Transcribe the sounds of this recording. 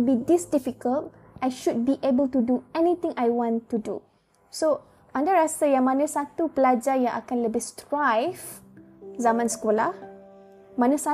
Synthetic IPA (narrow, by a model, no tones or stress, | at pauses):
bidisdifikəlt | ʔajʃud̚biʔebəltuduɛnit̪ĩŋajwɔ̃ntudṵ | so | ʔãndaɾasajaŋmãnãsat̪upəlad͡ʒajãŋʔa̰kãnləbɪstɹajv | zamãnsə̥kola̰h | mãnãsa